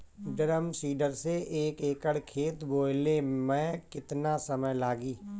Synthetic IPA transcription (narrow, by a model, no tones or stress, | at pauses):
ɖəɾəmsiːɖəɾseʔeːkeːkəɽkʰeːt̪boːlemɛ̃ːkɪt̪nasəməjlaːɡiː